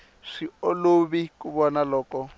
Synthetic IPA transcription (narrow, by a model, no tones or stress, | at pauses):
ʂioloβikuβɔnalɔːkɔ